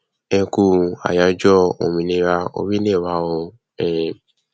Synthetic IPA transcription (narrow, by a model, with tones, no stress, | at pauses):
ɛ̃˧ku˧˦a̰˨ja˨˧d͡ʒɔ˦o̰˨mĩ˧nĩ˧˦ɾa˧o̰˧wi˦ne˦˨wa˨˦o˧ | ɛ̃˨